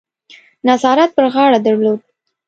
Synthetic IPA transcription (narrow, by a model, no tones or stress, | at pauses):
nazɑɾat̪̚pəɾɣɑɽad̪aɾlod̪̚